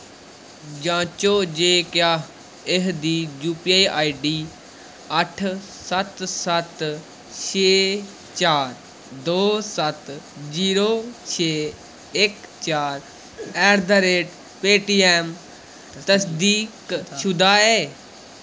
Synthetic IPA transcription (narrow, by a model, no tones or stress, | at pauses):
d͡ʒãːt͡ʃoːd͡ʒeːkjaː | ɪɦd̪iːd͡ʒuːpiaiʔaːiɖiː | əʈʰ | sət̪sət̪ | t͡ʃʰeː | t͡ʃaːɾ | d̪oːsət̪d͡ʒiːɾoːt͡ʃʰeː | ɪkt͡ʃaːɾ | ɛːɾd̪əɾeːʈ | peːʈiːɛːm | t̪əsd̪iːkʃʊd̪aːɛː